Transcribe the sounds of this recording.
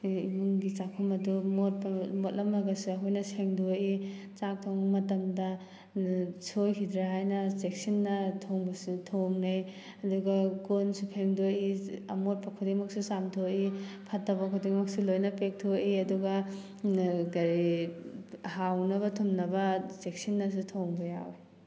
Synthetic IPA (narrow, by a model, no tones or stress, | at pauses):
imuŋɡit͡ʃakʰumɐdumot̚pɐmotlɐmːɐɡɐsiɐɦojnɐseŋdui | t͡ʃak̚tʰowŋmɐtɐmdɐ | sojkʰid̪ɾaɦajnɐseksinːɐtʰoŋbɐsitʰoŋnej | ɐduɡɐkonsupʰeŋdoiɐmot̚pɐkʰudiŋmɐk̚susamtʰoipʰɐtːɐwbɐkʰudiŋmɐk̚silojnɐpek̚tʰoʔiɐduɡɐ | ɡɐɾi | hawnɐβɐtʰumnɐbɐsek̚sinːɐs̬utʰoŋbɐja̰we